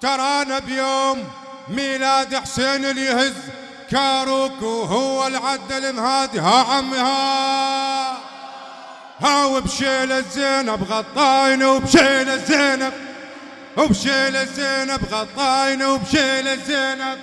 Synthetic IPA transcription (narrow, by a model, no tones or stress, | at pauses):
t̪ɑɾˤɑːnabjoːmː | iːlaːd̪ɪħseːnɪljɪhɪz | kaːɾˤuːkuhʊwːalʕad̪ːalɪmhaːd̪ihaʕamha | haːwɪbʃeːlazeːnabɣɑt̪ˤːɑːjnawbʃeːlazeːnab̚ | wbʃeːlɪzeːnabɣɑt̪ˤːɑːjnawbʃeːlazeːnab̚